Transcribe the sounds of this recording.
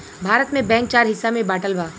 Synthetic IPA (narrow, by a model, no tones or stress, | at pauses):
bʱaːɾət̪mẽbɛ̃ːŋk̚t͡ʃaːɾɦɪsːamẽbaːʈəlbʱaː